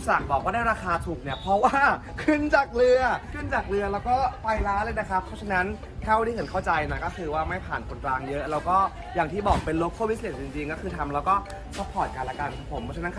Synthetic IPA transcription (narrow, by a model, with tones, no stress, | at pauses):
sa˨˩k̚bɔː˨˩kwaː˥˩daː˥˩ɾaː˧kaː˧t̪ʰu˨˩k̚ni˦˥˩ɐpʰɾɔ˦˥waː˥˩ | kʰɯ˥˩nt͡ɕaː˨˩k̚lɯ˧ɐkʰɯ˥˩nt͡ɕaː˨˩k̚lɯ˧ɐlɛː˦˥wkɔː˥˩pa˧jlaː˦˥lɤː˧jna˦˥kʰa˦˥pʰːɔ˦˥t͡ɕʰa˧na˦˥n | t̪ʰaː˥˩wa˧˥˩i˥˩ɯ˩˦kʰa˥˩wt͡ɕa˧jna˧˩kɔː˥˩kʰɯː˧waː˥˩ma˥˩jpʰaː˨˩nkʰo˧nklaː˧ŋjɤ˦˥ʔlɛː˦˥wkɔː˥˩ | jaː˨˩ŋt̪ʰiː˥˩bɔː˨˩k̚pe˧nloː˧kʰːoː˥˩wi˦˥sli˨˩t̚t͡ɕi˧ŋt͡ɕi˧ŋkɔː˥˩kʰɯː˧t̪ʰa˧mlɛː˦˥wkɔː˥˩ | kʰɔ˦˥pʰːɔː˨˩t̪̚kaː˧la˧ka˧nkʰa˨˧˩pʰo˩˦mpʰːɔ˧˦˥t͡ɕʰa˧na˦˥kʰa˥˩